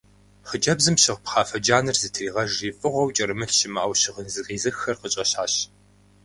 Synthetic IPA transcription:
χəd͡ʒɐbzɨmɕɪʁpχɑːfɐd͡ʒaːnɨrzɨtʰriːʁɐʒiːfʼɨʁʷɔwt͡ʃʼɐɾɨmɨɬʃɪmɨʔɐwɕɪʁənzɨqiːzɨxxːɐrqət͡ʃʼɐɕaːɕ

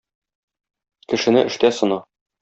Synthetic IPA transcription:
kɘ̆ʃɘ̆nɘʔɘ̆ʃt̪æsɤ̆nɑ

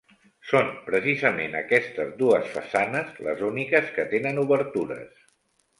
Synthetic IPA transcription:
sonpɾəsizəmenə̰kɛst̪əzd̪uəsfəsanəzlə̰zunikəskət̪enənuβəɾt̪uɾə̰s

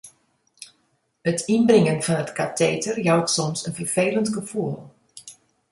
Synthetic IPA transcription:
ətʰinbrɪŋənfɑnətkateːtərjɔwtsɔmsənfərv̥eːləntɡəfuəlˠ

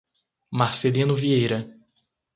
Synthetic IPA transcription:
maɾselĩnʊviejɾɐ

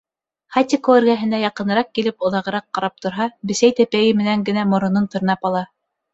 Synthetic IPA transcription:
χat̪ʲikoɘ̆ɾɡæɦɘ̆nd̪æjɑqɤ̆nɤ̆ɾɑq̚kilɘpŏðɑʁɤ̆ɾɑqːɑɾɑp̚t̪ŏɾɦɑbɘ̆sæjt̪æpæjɘmɘ̆næŋɡɘ̆næmŏɾŏnɤnt̪ŏɾɤ̆nɑpɑlˠɑ

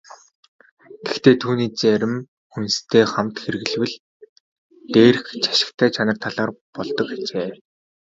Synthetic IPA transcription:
ɡ̥ext̪eːt̪ʰuːniːt͡sæɾʲɪ̆m | unst̪ʰeːχamt̪xeɾɘ̆ɣɘ̆ɮwɘ̆ɮ | t̪eːɾ̆xt͡ɕḁʃɪ̆kt̪ʰæːt͡ɕʰanə̆rt̪ʰaɮaːrpɔɮt̪ɞ̆kat͡ɕeː

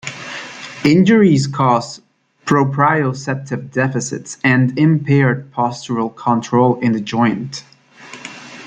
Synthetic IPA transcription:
ɪ̃nd͡ʒə˞izkʰɔz | pʰɹ̥oʊpʰɹ̥aɪosɛp̚tʰɨvdɛfɨsɪ̰tsɨ̃ndɪ̃mpʰɛɹd̚pʰɑst͡ʃəɹəlˠkʰə̃ntʰɹ̥oʊlˠɪ̃nðɨd͡ʒɔ̃ɪ̃nt

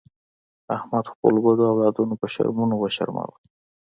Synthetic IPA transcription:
ahmad̪xpə̰lɡod̪oawlɑd̪unopəʃa̰ɾmunowaʃa̰ɾmɑ̰wə

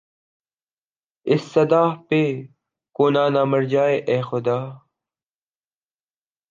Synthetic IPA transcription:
ɪsːɐd̪aːhpeː | koːnaːnaːmɐɾd͡ʑaːeʔeːxʊd̪aː

